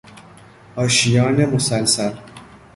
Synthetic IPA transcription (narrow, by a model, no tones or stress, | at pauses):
ɒːʃijɒːnemosælsæɾ